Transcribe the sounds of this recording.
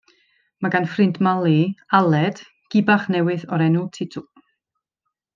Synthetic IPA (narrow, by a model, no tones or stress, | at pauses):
maɡanfrɪndmalˠialˠɛd̥ | ɡ̥ɪbaχnɛwɨðɔɾɛnʊlˠtʰɪtʰʊ